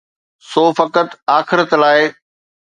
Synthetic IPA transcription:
soːfɐkət̪aːxɪɾət̪laːɪ

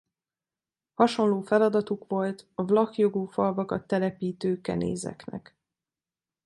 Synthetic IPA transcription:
hɒʃo̞nloːfɛlɒd̪ɒt̪ukʋo̞lt̪ɒvlɒkjo̞ɡuːfɒlvɒkɒt̪ːɛlɛpiːt̪øːkɛ̰nḛːzɛ̰knɛ̰k

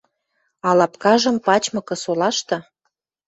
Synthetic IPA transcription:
ɑlɑpkɑʒə̆mpɑt͡ɕmɤ̆kɤ̆solɑʃt̪ɤ̆

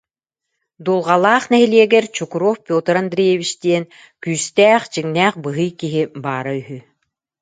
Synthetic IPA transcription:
d̪ulˠʁalˠaːχnɛɦiliɛɡɛɾt͡ɕukuɾoːfpʲjoːt̪ɾand̪ɾʲijɛβit͡ɕt̪iɛn | kyːst̪æːχt͡ɕiŋnæːχbɯɦɯjkiɦibaːɾayɦy

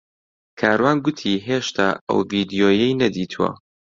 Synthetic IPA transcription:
kʰaːɾwaːnɡʊt̪ʰiːɦeːʃt̪ʰa̰ːɐ̰wviːd̪ijoːjɛjnɐd̪iːt̪ʰuwɐ̰

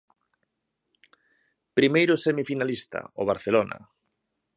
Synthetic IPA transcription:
pɾimejɾʊsemifinalist̪ɐ̰o̰β̞aɾθelonɐ̰

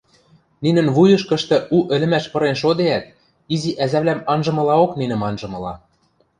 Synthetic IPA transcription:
ninɘ̆nβujɤ̆ʃkɤ̆ʃt̪ɤ̆ʔuʔɘ̆lɘ̆mæʃpɤ̆ɾenʃ̬od̪eæt̪̚ | iziʔæzæβlæmɑnʒɤ̆mɤ̆lɑokninɘ̆mɑnʒɤ̆mɤ̆lɑ̰

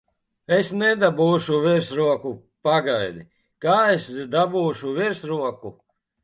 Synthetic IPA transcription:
esnɛd̪abuːʃuviɾsɾuɔku | paɡajd̪i | kaːesd̪abuːʃuviɾsɾuɔku

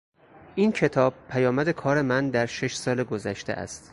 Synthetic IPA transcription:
ʔiːncʰe̞t̪ʰɒːb̥̚pʰæjɒːmæd̪e̞kʰɒːɾe̞mænd̪æɾʃe̞ʃsɒːleɡozæʃt̪ḛʔæ̰st̪

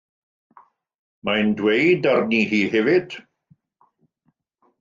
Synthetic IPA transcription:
majndwejdarnihiːhɛvɪd̥

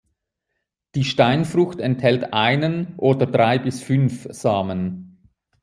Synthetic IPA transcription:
d̥iːʃtaɪnfrʊxtɛnthɛltʔaɪnənʔoːdədʁaɪbɪsfʏnfz̥aːmən

